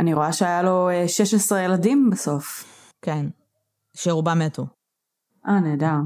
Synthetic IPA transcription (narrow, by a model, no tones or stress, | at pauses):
aniʁo̞aʃeajaloeʃeʃesʁejeladimbeso̞f | ken | ʃeʁubametu | ʔaneːda